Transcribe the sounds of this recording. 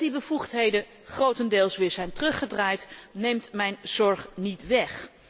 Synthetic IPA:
dibəvuχtɦejdən | χrowtəndɪːlˠsʋɪːɹzɛjntərɵχədraːjtnejmtmɛjnz̥ɔɹχnitʋɛχ

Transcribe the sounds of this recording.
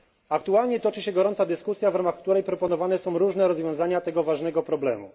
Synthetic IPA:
akt̪ualɲɛt̪ɔt͡ʂɘɕɛɡɔɾɔnt̪sad̪ɘskusʲjavɾamaxkt̪uɾɛjpɾɔpɔnɔvanɛsɔ̃w̃ɾuʐnɛɾɔzvʲjɔ̃w̃zaɲat̪ɛɡɔvaʐnɛɡɔpɾɔblɛmṵ

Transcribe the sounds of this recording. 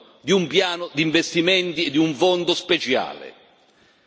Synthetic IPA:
d̪iumpjaːnʊd̪iɱvest̪imɛnt̪iɛd̪ːiuɱfɔnd̪ʊspɛt͡ʃa̰ːlɪ̰

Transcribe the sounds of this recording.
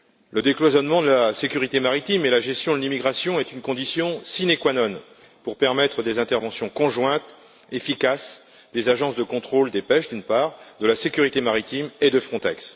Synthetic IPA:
ləd̪eklwazɔnmɑ̃d̪əlasekʲyʁit̪emaʁit̪imelaʒɛst̪jɔ̃d̪əlimiɡʁasjɔ̃ɛt̪ynkɔ̃d̪isjɔ̃sinekwanɔn | puʁpɛʁmɛt̪χəd̪ezɛ̃t̪ɛʁvɑ̃sjɔ̃kɔ̃ʒwɛ̃t̪ | efikas | d̪̥ezaʒɑ̃sd̪əkɔ̃t̪χold̪epɛʃd̪ynpaːʁd̪əlasekʲyʁit̪emaʁit̪imed̪əfχɔ̃t̪ɛks

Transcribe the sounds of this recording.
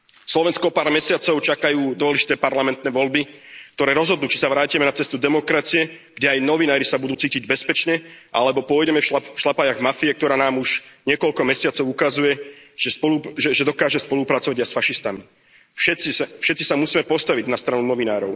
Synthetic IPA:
slɔʋɛnskɔɔpaːɾmɛsɪat͡sɔʊt͡ʃakajuːd̪ʊɔlɛʒi̥t̪ɛːpaɾlamɛnt̪nɛːʋɔlbik̚t̪ɔɾɛːɾɔzɦɔd̪nuːt͡ʃi̥saʋɾaːcimɛnat͡sɛst̪ud̪ɛmɔkɾat͡siɛɡ̥ɟɛajnɔʋinaːɾisabud̪uːt͡siːciɟbɛspɛt͡ʃɲɛʔalɛbɔpʊɔjɟɛmɛfafʃlapajaɣmafiɛk̚t̪ɔɾaːnaːmuʒɲɪɛkɔlkɔmɛsɪat͡sɔʊukazujɛʒ̥ɛspɔluʒɛʒɛd̪ɔkaːʒɛspɔlupɾat͡sɔʋaɟajsfaʃist̪ami | fʃɛt͡sisfʃɛt̪̚t͡sisamusiːmɛpɔst̪aʋiɟnast̪ɾanunɔʋinaːɾɔʊ

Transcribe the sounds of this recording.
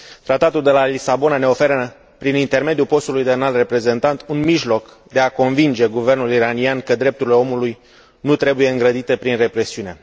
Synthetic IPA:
t̪ɾat̪at̪uld̪e̞lalisabo̞nane̞o̞fe̞ɾə | pɾinint̪e̞rme̞d̪jupo̞st̪ulujd̪eanalre̞pɾe̞ze̞nt̪ant̪unmiʒlo̞k | d̪e̞ako̞nvind͡ʒe̞ɡuve̞rnuliɾaniankəd̪ɾe̞p̚t̪uɾileo̞muluj | nut̪ɾe̞buje̞ɨŋɡɾəd̪it̪e̞pɾinre̞pɾe̞siune̞

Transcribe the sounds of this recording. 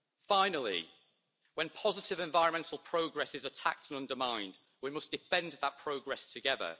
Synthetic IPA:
fãɪ̃nəlˠɪ̰ | wə̃npʰɒzɪtɪvɛ̃ɱvaɪɹə̃nmɛ̃ntʰˡəlˠpʰɹ̥oʊɡɹɛsɪzətʰa̰k̚tʰə̃nʌ̃ndəmãɪ̃nd | wimʌsd̥ɪfɛ̃nðəʔ̚pʰɹ̥oʊɡɹɛstʰəɡɛðə̰

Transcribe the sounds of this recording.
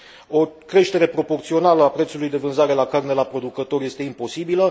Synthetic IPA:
o̞kɾe̞ʃt̪e̞ɾe̞pɾo̞po̞rt̪sio̞naləapɾet̪sulujd̪e̞vɨnzaɾe̞lakarne̞lapɾo̞d̪ukət̪o̞rje̞st̪e̞impo̞sibilə

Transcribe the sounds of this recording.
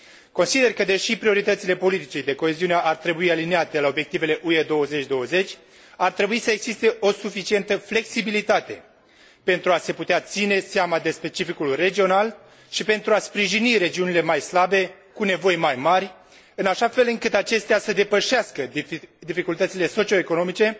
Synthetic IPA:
ko̞nsid̪e̞rkəd̪e̞ʃipɾio̞ɾit̪ət̪sile̞po̞lit̪it͡ʃed̪e̞ko̞e̞ziuneʔart̪ɾe̞buialineat̪e̞lao̞bje̞k̚t̪ive̞le̞ʔued̪o̞wəzet͡ʃʲd̪o̞əze̞t͡ʃʲ | art̪ɾe̞buisəeɡz̥ist̪e̞ʔo̞sufit͡ʃie̞nt̪əfle̞ksibilit̪at̪e̞ | pe̞nt̪ɾuase̞put̪eat̪sine̞seamad̪e̞spe̞t͡ʃifikulre̞d͡ʒio̞nal | ʃipe̞nt̪ɾuaspɾiʒiniɾe̞d͡ʒiunile̞majslabe̞ | kune̞vo̞jmajmarʲ | ɨnaʃafe̞lɨŋkɨt̪at͡ʃe̞st̪easəd̪e̞pəʃeaskəd̪ifikult̪ət̪sile̞so̞t͡ʃio̞eko̞no̞mit͡ʃe̞

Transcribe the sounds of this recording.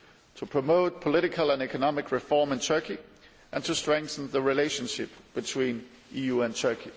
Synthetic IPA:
tʰəpʰɹ̥əmoʊt̚pʰəlɪɾɪkʰəlˠə̃nɛkʰənɑmɪkʰɹɪfɔːmɪ̃ntʰɜ˞kʰi | ʔæ̃ntʰustɹ̥ɛ̃ŋkθə̃n̩ðəɹileɪʃə̃nʃɪp̚b̥ɪtʰwĩːn | ʔiːjuːə̃ntʰɜ˞kʰi

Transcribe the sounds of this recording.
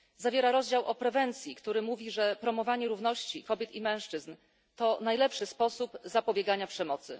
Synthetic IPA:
zavʲjɛɾaɾɔzd͡ʑawʔɔpɾɛvɛnt̪sʲjikt̪uɾɘmuvʲiʐɛpɾɔmɔvaɲɛɾuvnɔɕt͡ɕikɔbʲjɛt̪imɛ̃w̃ʂt͡ʂɘzn | t̪ɔnajlɛpʂɘspɔsupzapɔbʲjɛɡaɲapʂɛmɔt̪sɘ̰

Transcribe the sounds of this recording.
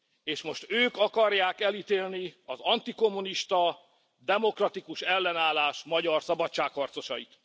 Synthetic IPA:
eːʃmo̞ʃt̪øːkɒkɒrjaːkɛlit̪eːlniɒzɒnt̪iko̞mːuniʃt̪ɒ | d̪ɛmo̞krɒt̪ikuʃɛlːɛnaːlaːʃmɒɟɒrsɒbɒtt͡ʃːaːkhɒrt̪so̞ʃɒjit̪

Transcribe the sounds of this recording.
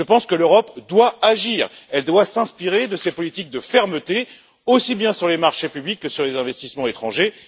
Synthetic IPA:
əpɑ̃skəløʁɔpd̪waaʒiːʁɛld̪wasɛ̃spiʁed̪əsepɔlit̪ik̚d̪əfɛʁmət̪e | osibjɛ̃syʁlemaʁʃepyblikːəsyʁlezɛ̃vɛst̪ismɑ̃et̪χɑ̃ʒe

